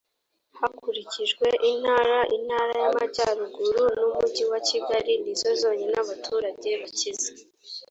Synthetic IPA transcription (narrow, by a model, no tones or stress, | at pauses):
hakuɾiciʒɡwe̞ʔin̥haːɾaʔin̥haːɾajamaɟaɾuɡuɾunumuɟiwaciɡaɾinizo̞zo̞ːɲenaβatʰuːɾaɟe̞βacize